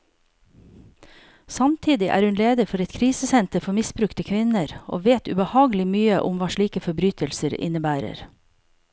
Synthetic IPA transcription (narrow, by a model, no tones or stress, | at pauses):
sɑmt̪ʰiːd̪ɪʔæ̰ːɾhʉnleːd̪əɾfɔɾɛt̪kʰɾiːsəsɛnt̪əɾfɔmɪsbɾʉkt̪əkʰʋɪnəɾʔo̰ːʋeːt̪ʉ̰bəhɑːɡəlɪmyːəʔʊmʋɑːʃɭiːkəfɔbɾyːt̪ʰəlsəɾɪ̰nəbæːɾə̰ɾ